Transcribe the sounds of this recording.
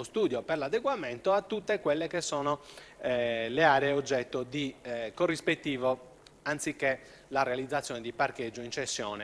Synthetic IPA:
ost̪uːd̪joperlad̪eɡwament̪oat̪ːut̪ːekwelːekesːɔːno | leaːɾeeod͡ʒːɛt̪ːod̪ikorːispet̪ːiːvo | ant̪sikːe | larealid̪zat̪sːjɔːned̪iparked͡ʒːoint͡ʃesːjɔːne

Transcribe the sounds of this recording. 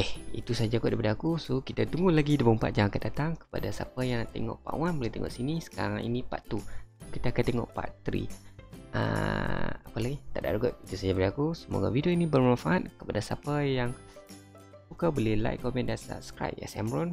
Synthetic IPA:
ɛhit̪usad͡ʒakuʔdipadaakusokit̪at̪uŋɡulaɡidəbumpat̪̚d͡ʒaaŋkatd̪at̪aŋkə̥pa̰dasa̰pajaŋt̪ḛŋɔ̰ʔpa̰ʔwanbolɪht̪eŋɔ̰ʔsinisə̥ka̰ɾaŋḭnĩpa̰ʔt̪ukit̪aːkat̪eŋɔ̰ʔpa̰t̪ɾḭʔə̰ | apalaɡit̪aʔda̰ʔɾuɡəʔ̚it̪usad͡ʒabədiakusəmo̰ɡa̰vidioinibərmãfaʔat̪̚kəpadasapajaŋ | pukabolɪhla̰jkkːɔmɛ̃ndansa̰p̚sə̥kɾa̰jp̚a̰sa̰mɾɔn

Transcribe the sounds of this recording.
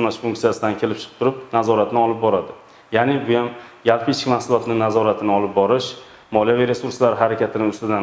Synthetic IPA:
mnaʃfʊŋk̚t̪sijasɪd̪ankʲʰe̞lɪp̚t͡ʃʰɨ̥qʰɨ̥pt̪ʰʊɾɪp̚nazɒɾat̪nɪɒlˠɪp̚bɒɾad̪ɪ | janɪbʊjamjalˠpʰɪɪt͡ʃkʲmahsʊlˠɒt̪nɪnazɒɾat̪ʰɪnɪɒlˠɪp̚bɒɾɪʃ | mɒlijavijɾe̞suɾslaɾɪɦaɾakʲʰat̪ʰɪnɪʊst̪ɪd̪an

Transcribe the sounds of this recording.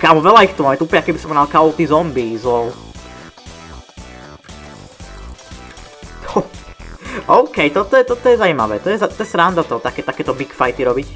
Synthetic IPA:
kamɔʋɛlaixt̪umaːmɛt̪upɲakɛbispɔmɛnalkaɔlt̪izɔmbizlɔw | ɔ | ɔʊkɛjt̪ɔt̪ɔjɛt̪ɔt̪ɔjɛzaima̰ʋɛ̰ːt̪ɔjɛzat̪ɔjɛsɾand̪at̪ɔt̪akɛːt̪akɛːt̪ɔbikfajt̪iɾɔbic

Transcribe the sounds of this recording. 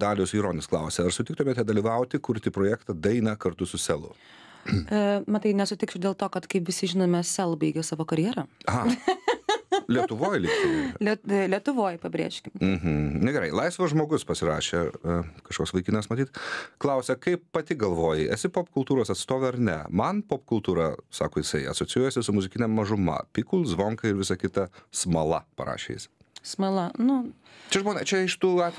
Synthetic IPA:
d̪ɑːlʲʊsiːɾoːnʲnʲɪsklˠɐʊsʲɛɐrsʊt̪ʲɪkt̪ʊmʲɛt̪ʲiɛd̪ɐlʲiːʋɐʊt̪ʲɪkʊɾt̪ʲiːpɾoːjækt̪ɐd̪ɐɪnɐkɐɾt̪ʊsʊsʲɛlˠʊ̰ | mɐt̪ɐɪnʲɛsʊt̪ʲɪksʲʊd̪ʲeːlˠt̪oːkɐt̪kɐɪpʋʲɪsʲɪʒʲɪnoːmʲɛsʲɛlˠbɐɪɡʲɛːsɑːʋoːkɐɾʲjɛːɾɐɑː | lʲiɛt̪ʊʋoːjlʲiːkt̪ulʲɛlʲiɛt̪ʊʋoːjpɐbʲɾʲḛːʃʲkʲɪmm̩ɦm̩nʲɛɡʲɛɾɐɪlˠɐɪsʋɐʒmoːɡʊspɐsʲɪɾɑːʃʲekɐʃkoːksʋɐɪkʲɪnɐsmɐt̪ʲiːt̪klˠɐʊsʲɛkɐɪppɐt̪ʲɪɡɐlˠʋoːjɪɛ̰sʲɪpoːpkʊlˠt̪uːɾoːsɐt̪st̪oːʋʲɛɐɾnʲɛ̰mɐnpoːpkʊlˠt̪uːɾɐsɑ̰ːkoːjɪsɐɪɐ̰soːt͡ssʲɪjuːjɛsʲɪsʊmʊzʲɪkʲɪnʲɛmːɐʒʊmɐ̰pʲikʊlˠzʋoːŋkɐɪɾʋʲɪsɐkʲɪt̪ɐsmɐlˠɐpɐ̰ɾɑ̰ːʃʲḛjɪ̰sʲ | smɐlˠɐnʊ | t͡ʃʲɛʒmoːnʲɛt͡ʃʲɛɪʃt̪uːɑːt̪ʲ

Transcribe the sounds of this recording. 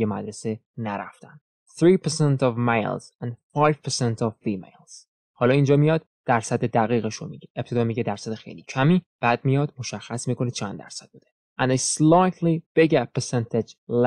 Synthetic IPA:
jemæ̰d̪ɾesenæɾæ̰ft̪ænd | θɾiːpʰɛsent̪ɒvmejlz̥æ̃nd̪fɑjv̥pʰesent̪ʰɒvfiːmḛjlz̥ | hɒːlɒːind͡ʒɒːmijɒd̪̥ | d̥̪æɾsæd̪ed̪æɣiːɣeʃomḭɡeʔep̚tʰe̞d̪ɒːmiːɟed̪æɾsæd̪exḛjliːcʰæmiːb̥æːd̪̚mijɒːd̪mo̞ʃæxːæsmiːkʰo̞nit͡ʃʰænd̪æ̰ɾsæd̥̪̚buːd̪e | ʔæ̃nd̪eslɑjt̪ʰlib̥eɡepʰesent̪ʰed͡ʒl

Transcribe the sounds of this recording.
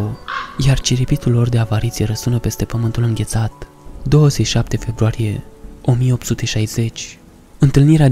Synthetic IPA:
jart͡ʃiɾipit̪ulːo̞rd̪e̞avaɾit̪sijeɾəsunəpe̞st̪e̞pəmɨnt̪ulɨŋɡʲe̞t̪sat̪ | d̪o̞wəzet͡ʃʃap̚t̪e̞fe̞bɾuaɾije̞o̞mijeo̞p̚t̪sut̪e̞ʃajz̥e̞t͡ʃʲ | ɨnt̪ɨlniɾea

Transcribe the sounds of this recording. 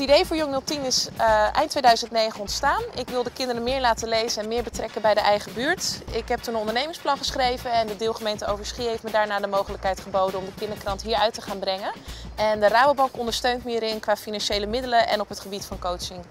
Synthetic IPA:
tidejvʊːɹjɔŋnɵlˠtinɪsʔɛ̰jntʋejdœɥzəntnejχənɔntstaːnɪkʋɪlˠdəkɪndəɾəmɪːɹlaːtəlejzənɛnmɪːɹbətrɛkəbɛjdəʔɛjχəbyːɹtɪkɦɛp̚tunənɔ̃ndəɹnejmɪŋsplɑnχəsχrejvənɛndədɪːlˠχəmejntəowvəɹsχiɦejftmədaːɹnaːdəmowχələkɦɛjtχəbowdənɔmdəkɪndəɹkrɑntɦiːɹœɥtəχaːnbrɛŋənɛndəraːbəbɑŋkɔndəɹstøɥntməəɾenkʋaːfinɑnʃejləmɪdələnʔɛ̰nɔpɦətχəbitfɑnkowt͡ʃɪŋ

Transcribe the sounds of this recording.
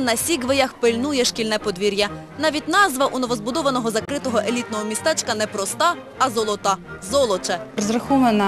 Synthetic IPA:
nɐsʲiɡʋejɐxpɪlʲnujɛʃkʲilʲnɛpɔd̪ʋʲiɾʲjɐ | nɑʋʲitʲnɑzʋɐʔunɔʋɔzbʊd̪ɔʋɐnɔɦɔzɐkɾɪt̪ɔɦɔʔelʲit̪nɔɦɔmʲist̪ɛt͡ʃkɐnɛpɾɔst̪ɑː | zɔlˠɔt̪ɑzɔlˠɔt͡ʃɛɾɔzɾɐxɔʋɐnɐ

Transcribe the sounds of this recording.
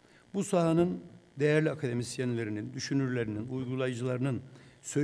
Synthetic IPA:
busaɦanɯnd̪ejæɾlʲiakʰad̪e̞misjenlʲe̞ɾinind̪yʃynyɾlʲeɾininujɡulˠajɯd͡ʒɯlˠaɾɯnɯnsø

